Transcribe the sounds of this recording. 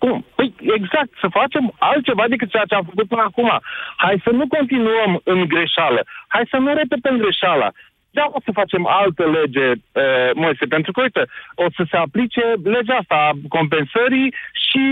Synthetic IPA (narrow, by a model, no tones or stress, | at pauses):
kumpəjeɡzak̚t̪səfat͡ʃe̞malt̪̚t͡ʃe̞vad̪ekɨt̪̚t͡ʃejat͡ʃe̞amfək̬ut̪̚pɨnəakuma̰hajsənuko̞nt̪inuəmɨŋɡɾe̞ʃaləhajsənuɾep̪et̪əɨŋɡɾe̞ʃala̰ | d̪aosəfat͡ʃe̞ma̰lt̪əle̞d͡ʒe̞əmojsepe̞nt̪ɾukəo̞jt̪əosəse̞aplit͡ʃe̞le̞d͡ʒaast̪ako̞mp̬e̞nsəɾiʃi